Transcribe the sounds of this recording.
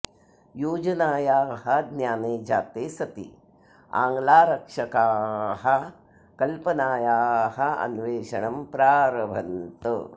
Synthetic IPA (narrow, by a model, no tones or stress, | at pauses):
juːd͡ʒɐnaːjaːhɐd̪njaːneːd͡ʒa̰ːt̪eːsɐt̪ḭ | a̰ːŋɡlaːɾɐkʂɐkaːɦɐ̆ | kɐlpɐnaːjaːɦɐɐ̰nʋeːʃɐɳɐmpɾaːɾɐʋʱɐ̰nt̪ə